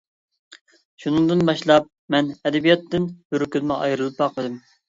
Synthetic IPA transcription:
ʃunɨŋd̪ɨnbɑʃlˠɑp̚mɛnɛd̪ɛbijɑt̪ːɪnbøɾkʲʰylmɨʔɑ̰jɾɨlˠɨp̚bɑqmɨd̪ɪm

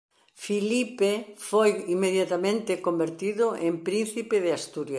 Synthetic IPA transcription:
filipefojimːeðjat̪amẽnt̪ɪkombeɾt̪iðʊʔempɾinθipeðɪast̪uɾja

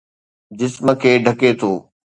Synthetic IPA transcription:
d͡ʑɪsmə̆kʰeːɖʱɐket̪ʰoː

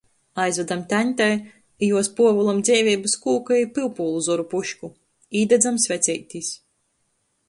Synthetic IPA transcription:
ajzvʲæd̪amt̪ʲænʲt̪ʲɛj | juɔspuɔvulˠamd̪zʲɛːvʲiːbɨskuːkaipɨlˠpuːlˠuzɔɾupuʃku | iːd̪ɛd̪zamsʲvʲɛt̪sʲɛjt̪ʲis

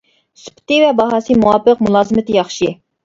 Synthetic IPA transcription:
sy̥pʰt̪ɪvɛbɑɦɑːsɨmuwɑːpəqmulˠɑːzɨmɪt̪ʰɪjɑχʃi

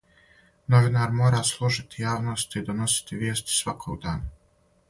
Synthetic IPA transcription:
noʋinaːɾmoːɾaːslˠuʒit̪ijaːʋnost̪id̪ono̞si̥t̪iʋje̞ːst̪i̥sʋakʰoɡd̪aːna

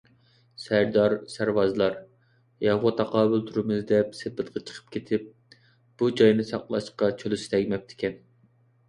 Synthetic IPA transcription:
sæɾd̪ɑɾsæɾwɑzɨlˠɑɾ | jɑʁwɑt̪ʰɑqʰɑːbylt̪ʰuɾmɪzd̪ɛpsepɪt̪qʰɑt͡ʃʰə̥qʰə̥p̚kʲʰet̪ʰɪp̚ | b̥ud͡ʒɑjnɨsɑ̰qlˠɑʃqɑt͡ʃʰølysɪ̥t̪ʰɛɡʲmɛp̚t̪ʰɪ̥kʲɛn

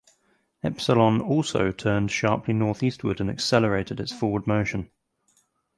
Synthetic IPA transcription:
ɛpsəlɒ̃nɔˑlˠsə̰ʊtʰɜːnd̥ʃɑˑpʰlinɔˑθiˑstʰwədə̃nə̰ksɛləɹeɪtɪdɪtsfɔːwəd̚məʊʃə̃n

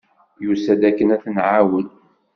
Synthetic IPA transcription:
jusæd̪ækːənæθnʕawəl

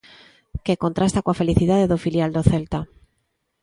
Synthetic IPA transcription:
keko̞nt̪ɾast̪akwafe̞liθiðaðeðofiljald̪oθelt̪a

